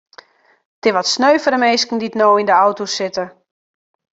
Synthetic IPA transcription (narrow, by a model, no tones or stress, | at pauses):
tɪʋɔtsnøɥfəɾəmejskən̩ditnoːindəawtosɪtə